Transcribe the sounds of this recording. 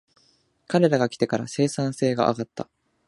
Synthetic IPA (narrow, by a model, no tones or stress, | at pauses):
kaɾe̞ɾaɡakʲi̥t̪e̞kaɾase̞ːsãɰ̃se̞ːɡa̰ʔa̰ɡat̪ːa̰